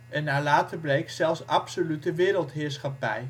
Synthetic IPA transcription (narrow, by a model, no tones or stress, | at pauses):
ʔɛnːaːlaːtəɹblejksɛlˠfsɑpsolytəʋɪːɾəlˠtɦɪːɹsχɑpɛ̰j